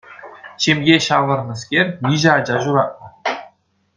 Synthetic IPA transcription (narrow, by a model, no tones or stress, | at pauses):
ɕemʲjʲeɕɑʋɤ̆rnɤ̆skʲerʲjʲiʑɘ̆ɑd͡ʑɑʑuɾɑt̚nɤ̆